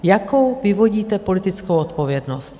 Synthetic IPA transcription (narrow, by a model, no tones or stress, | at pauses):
jako̞wvɪvo̞ɟiːt̪ɛpo̞lɪt̪ɪt͡skowot̪po̞vjɛdnost̪